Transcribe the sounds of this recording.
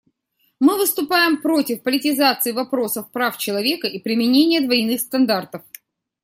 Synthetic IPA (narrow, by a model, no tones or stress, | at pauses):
mɨvɨst̪ʊpajɪmpɾo̞tʲɪfpəlʲɪtʲɪzat̪sɨɪvɐpɾo̞səfpɾaft͡ɕɪlˠɐvʲekəipɾʲɪmʲɪnʲenʲɪjəd̪vɐjnɨxst̪ɐnd̪art̪əf